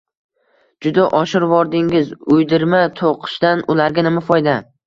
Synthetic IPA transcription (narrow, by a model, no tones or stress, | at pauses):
d͡ʒʊd̪aʔɒʃɪɾvɒɾd̪ɪŋɪzʊjd̪ɪɾmat̪ʰoqʰɨ̥ʃd̪anʊlaɾɡʲanɪmafɒjd̪a